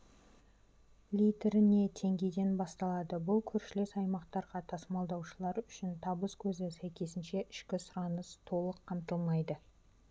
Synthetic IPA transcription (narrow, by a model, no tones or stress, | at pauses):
lʲijt̪ɾɪne̞t̪ʰe̞ŋɡʲejd̪e̞nbɑst̪ɑlˠɑd̪əbʊlˠkʲʰɵɾʃɪle̞sɑjmɑqt̪ɑɾʁɑt̪ʰɑsmɑlˠd̪ɑwʃəlˠɑɾʏʃɪnt̪ʰɑbəskʲʰɵzɪsæjkʲʰe̞sɪnʃe̞ʔɪʃkʲɪsʊɾɑnəst̪ʰo̞lˠəqʰːɑmt̪əlˠmɑjd̪ə